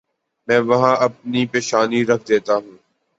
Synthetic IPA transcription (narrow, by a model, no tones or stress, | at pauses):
mɛ̃ːʋɐɦãːʔɐp̚nipeːʃaːniɾɐkʰd̪eːt̪aɦũː